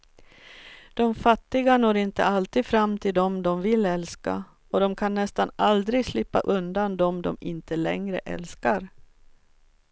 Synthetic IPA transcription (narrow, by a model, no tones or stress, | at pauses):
d̪̥ɔmfat̪ːɪɡanoːɾɪnt̪ə̰alt̪iːd̪fɾamːt̪ʰɪld̪ɔmd̪ɔmvɪlɛlska̰ | ɔd̪ɔmkʰanːɛst̪anald̪ɾɪɡslɪpːa̰ʔɵnd̪and̪ɔmd̪ɔ̰mɪnt̪ʰəlɛ̰ŋɾə̰ʔɛ̰lskaɾ